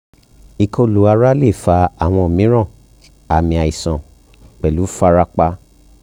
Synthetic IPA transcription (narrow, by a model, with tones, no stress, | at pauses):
i˨kʰo˧lu˨˦a˧ɾa˦le˦˨fa˧a˨w̃ɔ̃˧˨mĩ˨˦ɾ̃ã˦˨ | a˨mĩ˧a˨i˨sã˨ | k͡pɛ˨lu˨˦fa˧˦ɾa˦k͡pa˧˦